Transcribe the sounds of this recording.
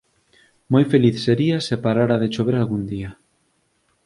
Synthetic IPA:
mojfeliθseɾiasepaɾaɾaðet͡ʃoβ̞eɾalɣund̪ia

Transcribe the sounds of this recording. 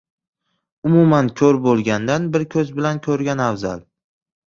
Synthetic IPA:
ʊmumankʲʰɵɾbolˠɡʲand̪anbɪɾkʲʰɵzbɪlankʲʰɵɾɡʲanavza̰l

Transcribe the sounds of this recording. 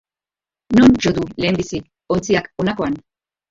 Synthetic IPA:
nond͡ʒoðule̞ːmbisi | o̞nt͡siako̞nako̞an

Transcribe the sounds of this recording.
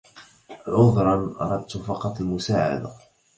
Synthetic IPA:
ʕʊðˤɾˤɑnʔɑ̰ɾˤɑd̪̚t̪fɑqɑt̪ˤalmʊsaːʕa̰d̪a

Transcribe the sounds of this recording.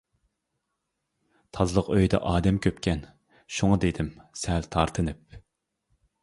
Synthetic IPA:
t̪ʰɑzlˠəqøjd̪ɛ̰ʔɑːd̪ɛmkʲʰøpkʲʰɛn | ʃuŋɑd̪ed̪ɪmsɛlt̪ʰɑɾt̪ʰɨnɨp̚

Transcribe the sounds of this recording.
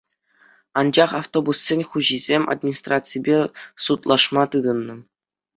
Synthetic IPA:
ɑnd͡ʑɑχaft̪obusːʲĕnʲχuʑizʲemʲa̰d̪mʲinʲist̪rat̪sɨjbʲesut̪lˠɑʂmɑt̪ɯd̪ɤ̆nːɤ̆

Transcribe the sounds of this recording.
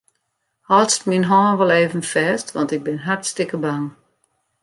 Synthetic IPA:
hɔltstminɦɔːnʋɔlˠeːvənfɛːstʋɔ̰ntɪɡ̚bɪnɦartstɪkəbaŋ

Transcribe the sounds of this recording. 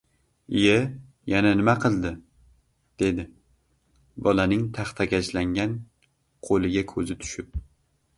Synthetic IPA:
ɪja | jananɪmaqʰɨlˠd̪ɪ | d̪̥e̞d̪ɪ | bɒlanɪŋt̪ʰɑχt̪ʰakʲat͡ʃlaŋɡʲan | qʰolˠɪɡʲakʰɵzɪt̪ʰʊ̥ʃɪp̚

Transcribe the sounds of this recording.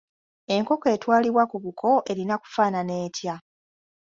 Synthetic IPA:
e̞ŋko̞ke̞ːtwaːliβwakuβukʰo̞ʔe̞ɾinaku̥faːnane̞ːtja

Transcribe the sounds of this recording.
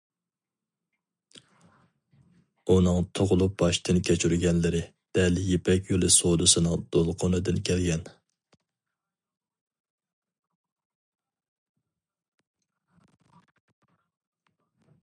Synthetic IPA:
unɨŋt̪ʰoʁʊlˠup̚b̥ɑʃt̪ɨnkʲʰɛt͡ʃʰyɾɡʲɛnlɪɾɪ | d̪̥ɛljepʰɛkʲjolˠɨsod̪ɨsɨnɨŋd̪̥olˠqʰonɨd̪ɨnkʲʰɛlɡʲɛn

